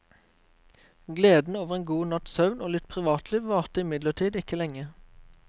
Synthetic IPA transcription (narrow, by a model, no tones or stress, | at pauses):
ɡleːd̪n̩oːʋəʁeːnɡuːnɑt̪sɑʉnʔoːlɪt̪̚pʰʁɪʋɑːt̪ʰliːʋʋɑːʁt̪əɪmɪd̪ləʈ̪ʰiːd̪ɪkəlɛŋə